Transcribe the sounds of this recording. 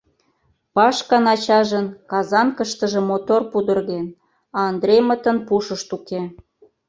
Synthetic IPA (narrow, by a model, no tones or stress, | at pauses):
pɑʃkɑnɑt͡ɕɑʒənkɑzɑnkəʃt̪ə̆ʒə̆mot̪orpud̪ə̆rɣen | ɑːnd̪rʲejmət̪ə̆npuʃəʃt̪uke